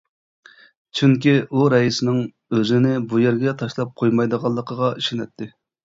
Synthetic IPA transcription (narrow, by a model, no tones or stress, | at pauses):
t͡ʃʰyŋkʲiuɾɛjisɪnɪŋ | øzɪnɪbujɛɾɡʲɛt̪ʰɑʃlˠɑp̚qʰojmɑjd̪əʁɑlˠːəqʰəʁɑiʃɪnɛt̪ʰːɪ